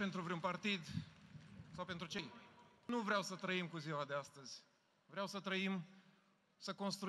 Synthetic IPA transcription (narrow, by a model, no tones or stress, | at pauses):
pe̞nt̪ɾuvɾeunpart̪id̪ | sawpe̞nt̪ɾut͡ʃe̞jnuvɾeawsət̪ɾəimkuziwad̪east̪əzʲ | vɾeawsət̪ɾəim | səko̞nst̪ɾu